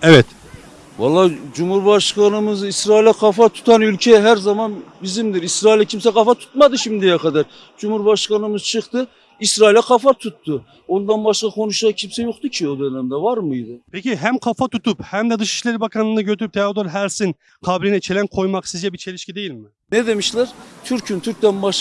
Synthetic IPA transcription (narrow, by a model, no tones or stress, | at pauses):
ɛvɛt̪ | vɑ̰lˠːaːd͡ʒumhuɾbaʃkanɯmɯzisɾaːilʲɛkʰɑfat̪ʰu̥t̪ʰanylʲcʰɛɦæɾzamanbizimd̪iɾisɾaːilʲɛcʰimsɛkʰɑfat̪ʰu̥t̪mad̪ɯʃimd̪ijɛkʰɑd̪aɾ | d͡ʒumhuɾbaʃkanɯmɯz̥t͡ʃʰɯχt̪ɯ | isɾaːilʲɛkʰɑfat̪ʰut̪ʰːʊ | o̞nd̪anbaʃkakʰo̞nuʃacʰimsɛjoχt̪ucʰio̞d̪ø̞nɛmd̪ɛvaɾmɯjd̪ɯpʰeciɦæmkʰafat̪ʰut̪ʰuphæmd̪ɛd̪ɯʃi̥ʃlʲeɾibakʰanˠɯːnɯɟøt̪ʰyɾyp̚t̪ʰead̪oɾɦæɾsin | kʰaːbilʲinɛt͡ʃʰelʲænkʰo̞jmaksizd͡ʒɛbit͡ʃʰe̞lʲiʃcid̪e̞jilʲmɪ | nɛd̪e̞miʃlʲæɾt͡ʃ̪ʰyɾcʰynt̪ʰyɾ̚ʲd̪ænbaʃ